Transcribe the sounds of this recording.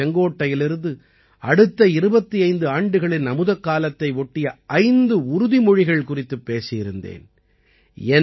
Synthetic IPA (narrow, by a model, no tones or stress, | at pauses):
ɛŋɡoːʈːɐjɪlɪɾɯnd̪ɯ | ɐɽɯt̪ːɐɪɾɯbɐt̪ːiɐɪnd̪ɯaːɳɖɯɣɐɭɪnnɐmɯðɐkːaːlɐt̪ːɐɪʋɔʈːɪjɐʔɐɪnd̪ɯʊɾʊðimɔɻɪɣɐɭkʊrɪt̪ːɯpːeːsɪjɪɾɯnd̪ḛːn | ɛ